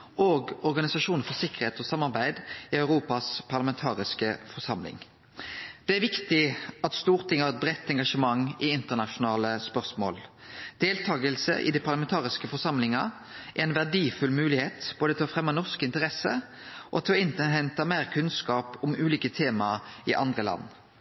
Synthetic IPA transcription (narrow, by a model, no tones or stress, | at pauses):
oːɡɔɾɡɑnɪsɑʂuːnəfɔsɪkəʁheːt̪ɔsɑmːɑʁbæɪd̪ɪœʉʁuːpɑspʰɑʁlɑmɛnt̪ʰɑːʁɪskəfɔʁsɑmlɪ̰ŋ | d̪̥ɛæʁʋɪkt̪ɪɑt̪st̪uːʁt̪ʰɪŋhɑʁɛt̪̚bʁɛt̪ːɛŋɡɑʂəmɑŋɪɪnt̪əʁnɑʂʊnɑːləspœʁsmo̰ːl | d̪̥eːlt̪ʰɑːɡəlsə̰ʔɪ̰d̪ipʰɑʁlɑmɛnt̪ʰɑːʁɪskəfɔsɑmlɪŋɑ | ʔæɛnʋæʁɖiːfʉlmʉːlɪheːt̪b̥oːd̪ət̪ʰɪlɔfʁɛmːɑnɔʁskɪnt̪əʁɛsə | ʔɔt̪ʰɪlɔɪnt̪əɦɛnt̪ɑmeːʁkʰʉnskɑːpʊmʉːliːkət̪ʰeːmɑɪʔɑ̰nd̪ʁəlɑ̰nː